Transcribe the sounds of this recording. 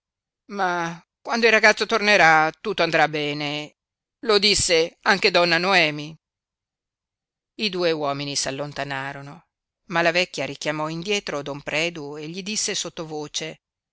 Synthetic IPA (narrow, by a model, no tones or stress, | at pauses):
ma | kwand̪oilrːaɡat̪sːot̪orneɾat̪ut̪ːoand̪ɾabːɛːne | lod̪isːeaŋk̟ed̪ɔnːanoɛːmi | id̪uːewɔːminisalːont̪anaːɾono | malavɛkʲːjaɾikjamɔind̪jɛːt̪ɾod̪ompɾɛːd̪ueʎːid̪isːesot̪ːovoːt͡ʃe